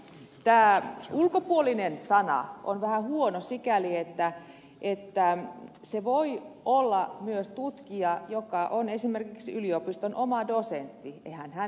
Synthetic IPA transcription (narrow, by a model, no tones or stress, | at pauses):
t̪æːulkopuolinensɑnɑ̰o̰nʋæhæhuonosikæliet̪ːæ | ʔet̪ːæ | seʋoiolːɑmyøst̪ut̪kiɑjokɑʔonesimerkiksyliopist̪onʔomɑdosent̪ːiḛhænhæ